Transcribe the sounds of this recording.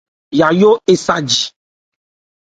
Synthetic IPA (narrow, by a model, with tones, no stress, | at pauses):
ja˨jo˦e˨sa˦d͡ʒi˨